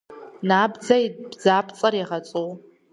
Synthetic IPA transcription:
naːbd͡zɐjbd͡zaːpʰt͡sʼɐrjaʁɐt͡sʼow

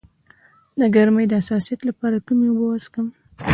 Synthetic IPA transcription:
naɡaɾməjd̪əasɑsijat̪lapɑɾakumeobəwaskəm

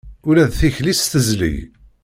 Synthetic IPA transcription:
ʊɾæðθiçlist̪əzlḭj

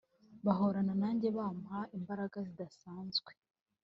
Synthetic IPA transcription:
βaɦoɾananaːɲɟe̞βaːmhaimbaɾaɡazidasaːnzɡwe

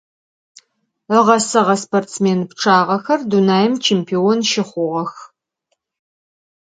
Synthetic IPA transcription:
əʁɐsɨʁɐspoːrtsmeːnpʈ͡ʂʰaːʁɐxɐrdunaːjɪmt͡ʃʰeːmpʰionʃɪχʷʊʁɐx

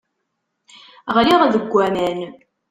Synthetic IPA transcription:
ʁliʁæðəɡʷːæmæn

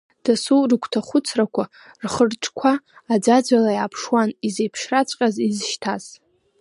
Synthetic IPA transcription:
d̥asurkʷʰtʰaχʷʊt͡sʰrakʷʰa | rχərʈ͡ʂʼkʷʰaː | d͡zad͡ʒʷalajaːpʰʂwanizejpʰʂrat͡ɕʷʼqʲʼazizʃtʰaz̥

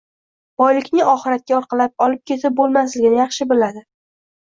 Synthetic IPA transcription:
b̥ɒjlɪkʲnɪɒχɪɾat̪̚kʲaɾqɑlap̚ɒlɪp̚kʲʰe̞t̪ʰɪp̚bolmaslɪɡʲɪnɪjɑχʃɪbɪlad̪ɪ

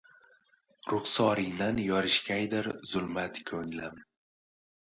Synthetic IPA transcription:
ɾʊχsɒɾɪjnanjɒɾɪʃkʲajd̪ɪɾz̥ʊlmat̪kʲʰɵŋlam

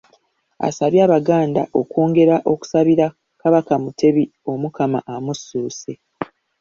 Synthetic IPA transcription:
a̰saβjaːβaɡaːnda̰ʔo̞ko̞ːŋɡe̞ɾaʔo̞ku̥saβiɾa | kaβakamutʰe̞βi | o̞mukama̰ʔamusːuːse̞

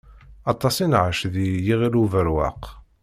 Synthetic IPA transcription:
ɑt̪ˤːɑsinʕaʃðijiʁiɾuvəɾwa̰q

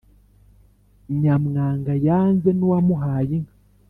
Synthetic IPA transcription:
ɲamŋaːŋɡajaːnzenuwamuɦaːjiŋa

